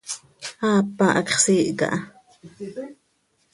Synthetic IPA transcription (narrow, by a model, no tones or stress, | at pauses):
aːpːaʔɑkχsiːʔka̰ʔ